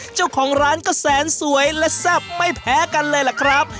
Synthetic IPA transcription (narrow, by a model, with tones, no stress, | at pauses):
t͡ɕa˥˩wkʰɔː˩˦ŋɾaː˦˥nkɔː˥˩sɛː˩˦nsu˩˦əjlɛ˦˥sɛ˥˩p̚ma˥˩jpʰɛː˨˦˥ka˧nlɤː˧jla˨˩kʰɾa˦˥p̚